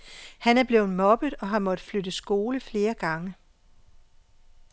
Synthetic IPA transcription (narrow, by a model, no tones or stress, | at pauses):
hænæɐb̥le̝ːʊmɒ̽b̥ðˠɒ̽ɦɑ̈mɒ̽d̥flødəsɡ̥o̝ːləfle̝ːɐɡ̥ɑ̈ŋə